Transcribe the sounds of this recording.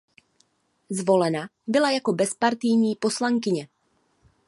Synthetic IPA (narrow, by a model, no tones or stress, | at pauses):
zvo̞lɛnabɪlajako̞bɛspaɾt̪ɪjɲiːpo̞slaŋkɪɲɛ